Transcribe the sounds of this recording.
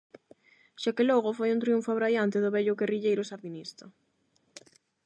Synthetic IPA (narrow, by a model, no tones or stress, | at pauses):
ʃakelɔɣʊfojunt̪ɾiuɱfaβɾajant̪ɪðʊβɛʎʊɣeriʎejɾʊsaɾðinist̪ɐ